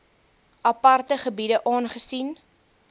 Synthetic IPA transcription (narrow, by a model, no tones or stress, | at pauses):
ʔɐpɐrtəχəbidəʔɑːnχəsin